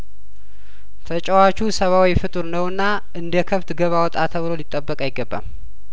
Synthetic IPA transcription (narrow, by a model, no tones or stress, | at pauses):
t̪ʰət͡ʃʼəwat͡ʃusəβawifɨt̪ʼɨɾnəwɨnːa | ɨnd̪əkʰəβt̪ɡəβawɔt̪ʼat̪ʰəβɨlo̞lit̪ʼːəbːəkʼajɪɡːəbːa̰m